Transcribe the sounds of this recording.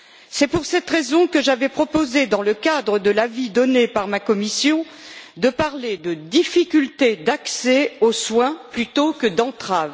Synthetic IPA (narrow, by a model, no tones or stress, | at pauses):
sɛpuʁsɛt̪ʁezɔ̃kəʒavɛpχɔpozed̪ɑ̃ləkad̪ʁəd̪əlavid̪ɔnepaʁmakɔmisjɔ̃ | d̪əpaʁled̪əd̪ifikʲylt̪ed̪aksɛoswɛ̃plyt̪okəd̪ɑ̃t̪χav